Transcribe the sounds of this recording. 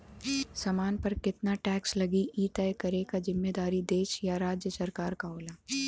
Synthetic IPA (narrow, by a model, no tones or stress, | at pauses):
sɐmaːnpɐɾkɪt̪naʈɛːkslɐɡiʔiːʈajkɐɾekazɪmːeːd̪aːɾid̪eːʃjaɾaːd͡ʒjəsɐɾkaːɾkaɦoːlaː